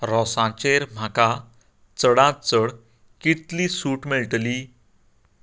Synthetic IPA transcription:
ɾɔsãt͡ɕeɾm̤ʱaka | t͡səɽãt͡səɽ | kit̪lisuːʈmeɭʈli

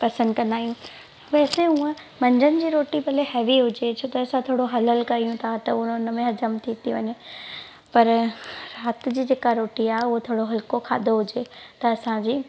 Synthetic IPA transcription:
pɐsə̃nd̪kɐ̃nd̪aːijũ | ʋɛːsẽũə̃ | mɐ̃ɲd͡ʑənɪ̆d͡ʑiːɾoːʈipɐleɦɛːʋiɦʊd͡ʑet͡ɕʰoːt̪ɐɐsãt̪ʰoːɽoɦɐləlkɐijũt̪ʰat̪ɐʊnʊnə̆mẽɦɐd͡ʑəmt̪ʰit̪iʋɐɲe | pɐɾɾaːt̪ɪ̆d͡ʑiːd͡ʑeːkaɾoːʈiaːɦeʊɦot̪ʰoːɽoɦɐlkokʰa̰ːd̪ʱoɦʊd͡ʑet̪ɐɐsãd͡ʑiː

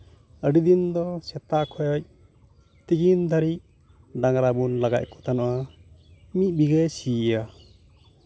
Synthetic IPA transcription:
əɖid̪ind̪ɔsɛt̪akʰɔjɔc̚ | t̪iɡind̪ʱaɾic̚ | ɖaŋɾabunlaɡa̰c̚kɔ̥t̪ʰanɔʔa | mit̚biɡɛsija

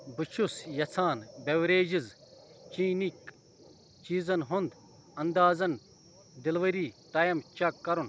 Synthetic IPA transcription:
bɨt͡ʃʰusjɐt͡sʰaːnbʲɐwɾeːd͡ʒizt͡ʃiːnik | t͡ʃiːzɐnɦund̪ | ɐnd̪aːzɐn | d̪ɪlʋɐɾiːʈaːjɐmt͡ʃɐkːɐɾun

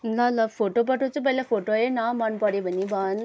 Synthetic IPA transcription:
lʌlʌpʰoʈopʌʈʰot͡sʰũp̬ʌilapʰoʈoenamʌnpʌɾebʱʌnːibʱʌn

